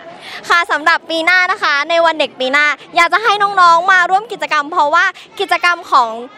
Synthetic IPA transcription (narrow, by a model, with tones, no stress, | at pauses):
kʰa˥˩sa˩˦mɾa˨˩pːiː˧naː˥˩na˦˥kʰa˦˥na˧jwa˧nde˨˩k̚piː˧naː˥˩jaː˨˩k̚t͡ɕa˨˩ɦa˥˩jnɔː˦˥ŋnɔː˦˥ŋmaː˧ɾu˥˩əmki˨˩t̪̚t͡ɕa˧ka˧mpʰɾɔ˦˥waː˥˩ | ki˨˩t̪̚t͡ɕa˧ka˧mkʰɔː˩˦ŋ